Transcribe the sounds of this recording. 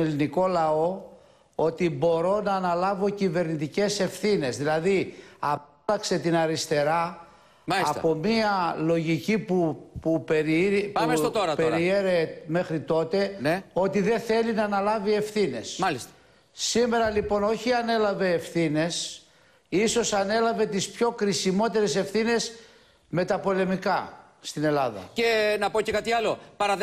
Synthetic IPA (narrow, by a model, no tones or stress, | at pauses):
eliniko̞lɐo̞ | o̞t̪ibo̞ɾo̞nɐːnɐlɐvo̞cive̞ɾnit̪ice̞se̞fθine̞zðilɐðiɐ | lɐkse̞t̪inɐɾist̪e̞ɾɐ | mɐɐspo̞miɐlo̞ʝicipupupeɾpumesot̪oɾɐtpeɾieɾeme̞xɾit̪o̞t̪e̞neo̞t̪iðe̞θe̞linɐːnɐlɐvie̞fθine̞smɐlist̪ɐ̥ː | ime̞ɾɐlipo̞no̞çiɐne̞lɐve̞ːfθine̞s | iso̞sɐne̞lɐve̞t̪ispço̞kɾisimo̞t̪e̞ɾe̞se̞fθine̞s | me̞t̪ɐpo̞le̞mikɐ | st̪ine̞lɐðɐ̰cenɐpocekɐt̪iɐlo̞pɐɾɐ